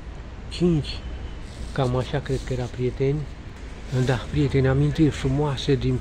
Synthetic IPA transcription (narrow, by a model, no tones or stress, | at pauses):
t͡ʃint͡ʃʲ | kamaʃakɾed̪̚kəjeɾapɾiet̪enʲ | ɨnd̪apɾijet̪enʲamĩnt̪efɾumoased̪in